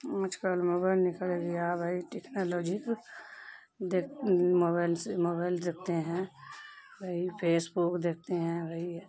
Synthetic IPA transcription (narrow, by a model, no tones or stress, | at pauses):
ɐt͡ʃkəlmoːbaɪlnɪkəleɡijabʱəɦiʈeknoːloːd͡ʒik | d̪ekmoːbaɪlsmoːbaɪld̪ek̚ʰt̪eɦɛ̃ | ɡəɦipʰeːsbukd̪eːk̚ʰt̪eɦɛ̃ɡɐɦi